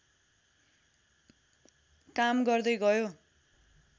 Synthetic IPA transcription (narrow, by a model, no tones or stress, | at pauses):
kamɡʌrd̪ʌjɡʌjo